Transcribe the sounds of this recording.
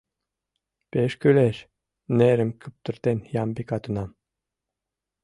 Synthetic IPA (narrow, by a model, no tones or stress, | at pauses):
peʃkyleʃ | neɾɘ̆mkʰɯp̚t̪uɾt̪enjɑmbikɑt̪unɑm